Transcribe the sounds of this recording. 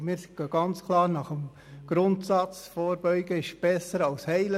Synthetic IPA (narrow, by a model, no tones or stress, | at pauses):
mɪːɾɡ̥ɑɡ̥ɑnt͡skʰlɑːɾnɑχəm | ɡ̥ɾʊntsɑt͡sfɔːɾbœʏɡəɪʃb̥ɛsəɾɑlshɛɪlə